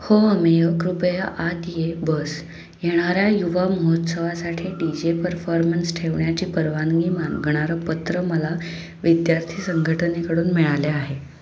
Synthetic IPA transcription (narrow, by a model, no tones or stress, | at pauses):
hoəmejəkɾupəjaʔat̪jebəs | jeɽ̃aɾjajuʋaməɦot̪səʋasaʈʰiɖid͡ʑepəɾfɔɾmənsʈʰeʋɳjat͡ɕiːpəɾʋanɡimanɡʱəɽ̃aɾəpət̪ɾəməla | ʋid̪jaɾt̪ʰiːsəŋɡʱəʈənekəɽuːnmiɭaleaɦe